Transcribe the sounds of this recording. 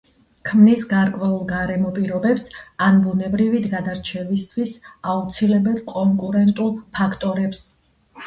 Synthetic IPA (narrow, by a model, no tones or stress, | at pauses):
kʰmnisɡaɾkʼwɛulˠɡaɾɛmɔpʼiɾɔbɛpsanbunɛbɾivid̪ɡad̪aɾt͡ʃʰɛvist̪ʰwisaut̪sʰilɛbɛlˠkʼɔŋkʼuɾɛnt̪ʼulˠpʰakʰt̪ʼɔɾɛps